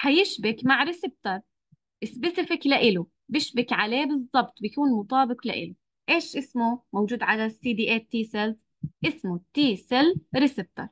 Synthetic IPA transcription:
ħajɪʃbɪkmaʕɾɪsɪb̚t̪ɑɾˤ | ʔɪsbɪsɪfɪklaʔɪlu | bɪʃbɪkʕaleːbɨzˤːɑbt̪ˤbɪkuːnmʊt̪ˤɑːbɪqla̰ʔɪ̰lu | ʔeːʃʔɪsmumowd͡ʒuːd̪ʕalasiːd̪iːʔeːt̪ːiːsɪlz | ʔɪsmut̪iːsɪlɾɪsɪb̚t̪ɑ̰ɾˤ

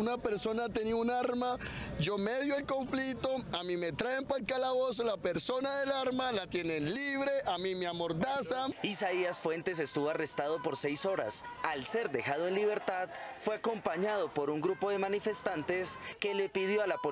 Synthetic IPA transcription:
unape̞ɾso̞nat̪eniaunaaɾmad͡ʒo̞meðjoelko̞ɱflit̪o̞amime̞t̪ɾaempalkalaβo̞s̬olape̞ɾso̞naðe̞laɾmalat̪je̞nenliβɾe̞ʔamimeamo̞ɾd̪asaisaiasfwe̞nt̪e̞s̬e̞st̪uβoare̞st̪aðo̞po̞ɾsejso̞ɾa̰s | alse̞ɾd̪e̞xaðoenliβe̞ɾt̪aðfwe̞ako̞mpaɲaðo̞po̞ɾuŋɡɾupo̞ðe̞manife̞st̪ant̪e̞ske̞le̞piðjo̞alapo

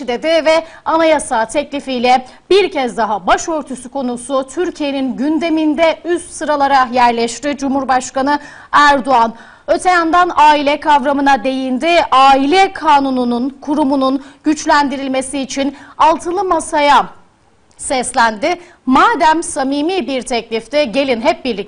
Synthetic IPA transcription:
d̪ed̪ɪvɛ | anajasaːt̪ʰɛclʲifijlʲɛ | biɾcʰɛzd̪aɦabaʃøɾt̪ʰusukʰo̞nusut̪ʰyɾcʰije̞ninɟynd̪e̞mind̪ɛyst̪sɯɾalˠaɾajæɾlʲɛʃt̪id͡ʒumhuɾbaʃkanɯ | æɾd̪oan | ø̞t̪ʰɛjand̪anaːilʲɛkʰavɾamɯnad̪e̞jind̪ɪaːilʲɛkʰaːnunununkʰuɾumununɟ̥yt͡ʃlʲænd̪iɾilʲme̞siːt͡ʃʰinalˠt̪ʰɯlˠɯmasaja | sɛslʲænd̪ɪ | maːd̪æmsamiːmibiɾt̪ʰɛclʲift̪ɛɟe̞lʲinɦɛp̚biɾlʲi

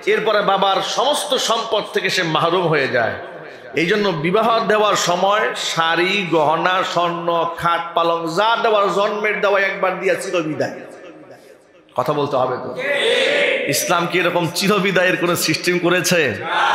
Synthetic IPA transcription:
eɾpɔɾebabaɾʃɔmost̪oʃɔmpod̪̚t̪ʰekeʃemaɦɾumɦojed͡ʑa̰e | ejd͡ʑonːobibaɦod̪eoaɾʃɔmɔeʃaɾiɡɔɦonaʃɔnːokʰaʈ̚paloŋzaɾd̪ewaɾzɔnmeɾd̪ɛoaeɛk̚baɾd̪ijat͡ɕiɾobid̪aj | kɔt̪ʰabolt̪eɦɔbet̪o̰ | islamkieɾɔkomt͡ɕiɾobid̪aeɾkonosisʈimkoɾet͡ɕʰe

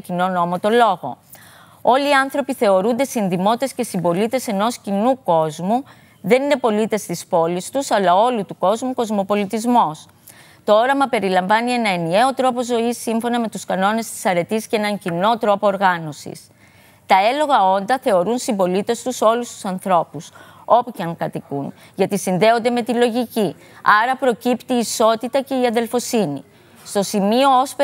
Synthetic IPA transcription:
cino̞no̞mot̪o̞lo̞ɣo̞̰ | o̞liːɐnθɾo̞piθe̞o̞ɾund̪e̞sinðimo̞t̪e̞sce̞simbo̞lit̪e̞se̞no̞scinuko̞zmu | ðe̞nine̞po̞lit̪e̞st̪ispo̞list̪usɐlɐo̞lut̪uko̞zmuko̞zmo̞po̞lit̪izmo̞s | t̪oo̞ɾɐmɐpe̞ɾilɐɱvɐnie̞nɐe̞nie̞o̞t̪ɾo̞po̞zo̞isːiɱfo̞nɐme̞t̪uskɐno̞ne̞st̪i̥sɐɾe̞t̪iscenɐɲcino̞t̪ɾo̞po̞ːɾɣɐno̞sḭs | t̪ɐe̞lo̞ɣɐo̞nd̪ɐθe̞o̞ɾunsimbo̞lit̪e̞st̪uso̞lust̪u̥sɐnθɾo̞puso̞puceɐŋkɐt̪ikun | ʝɐt̪isinðe̞o̞nd̪e̞me̞t̪ilo̞ʝici | ɐɾɐpɾo̞cipt̪iːso̞t̪it̪ɐce̞iɐðe̞lfo̞sinḭ | st̪o̞simio̞ose

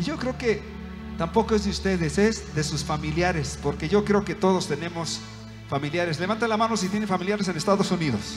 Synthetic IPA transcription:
iʝo̞kɾe̞oke | t̪ampo̞koe̞zðeust̪e̞ðesezðe̞susfamiljaɾe̞spo̞ɾke̞ʝo̞kɾe̞oke̞t̪o̞ð̞o̞st̪e̞nẽ̞mo̞s | familjaɾesle̞βant̪alamanosit̪jenefamiljaɾes̬enest̪aðo̞suniðo̞s

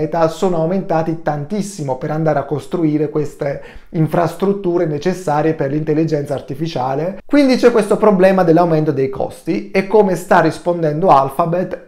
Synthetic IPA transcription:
ɛːt̪asoːnoawment̪aːt̪it̪ant̪isːimopeɾand̪aːɾeakːost̪ɾuiːɾekwest̪eiɱfɾast̪ɾut̪ːuːɾenet͡ʃesːaːɾjeperlint̪elːid͡ʒɛnt̪saːrt̪ifit͡ʃaːlekwind̪it͡ʃɛkːwest̪opɾoblɛːmad̪elːawment̪od̪ejkɔ̰st̪iɛkːoːmest̪arːispond̪ɛnd̪oalfabet̪ː

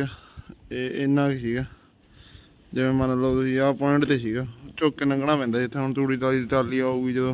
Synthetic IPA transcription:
aːeɪnãːkisiːɡaː | d͡ʒɪʋẽːmənloːt̪ʊsĩːaːpɔ̃ːɪɳʈt̪eːsiːɡaːt͡ʃoːkːeːnãːɡəɽãːpɛ̃ːnd̪aːd͡ʒɪt̪ʰːeːɦʊɳt̪uːɽiːʈaːliːʈaːliːaːuːɡiːd͡ʒəd̪õː

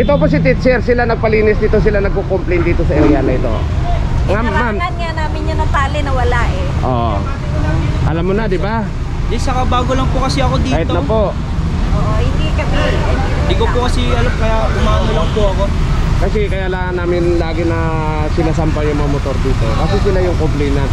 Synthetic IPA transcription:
ʔɪt̪op̬os̬ɪt̪̬it͡ʃɛɾsɪlanɐɡ̚pɐliːnɪsd̪iːt̪o̞s̬ɪlanɐɡ̚kokomplejnd̪iːt̪o̞sɐɛɾianɐʔɪt̪o̞̰ | ŋamamnŋanaːmɪɲɲɐnɐt̪aːlɪnɐwɐlaʔɛʔo̰ːʔ | ʔɐlamːonɐd̪ɪba | d̪ɛsɐkɐbaːɡolɐŋpʊkɐsɛɐkod̪iːahɪt̪nɐpo̞ | ʔoʔhɪnd̪ikɐmid̪ɪkopʊkɐsɛɐlɐmkɐjaʔʊmaːnolɐŋpʊɐko̞kɐsɛkɐjaːlaːŋɐnːaːmɪnlaːɡɪnɐ | sɪnasampɐjʊŋmɐŋamot̪o̞ɾd̪iːt̪o̞kɐsɛsɪlajʊŋkomplɛjnɐ

